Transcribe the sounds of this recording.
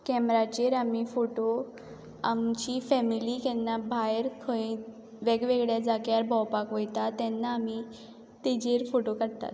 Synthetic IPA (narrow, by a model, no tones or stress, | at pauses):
kɛmɾat͡ɕeɾamifoʈo | amt͡ɕifɛmilikɛnːabʱajɾkʰoi | ʋɛɡʋeɡɭjad͡zakjaɾbʱɔwpakʋojt̪at̪ɛnːaːmi | t̪id͡ʑeɾfoʈokəɽt̪a̰t̪